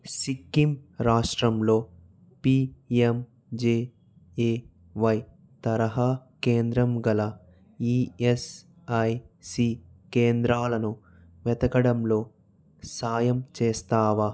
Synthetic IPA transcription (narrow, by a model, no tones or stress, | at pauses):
sikːimɾaːʂʈɾɐmlo̞ː | piem | d͡ʒeː | eː | ʋɐj | t̪ɐɾɐɦaːkeːnd̪ɾɐmɡɐlɐ | iːes | ɐjsiːkeːnd̪ɾaːlɐnu | ʋɛt̪ɐkɐɽɐmlo̞ː | saːjɐmt͡ʃeːst̪aːʋa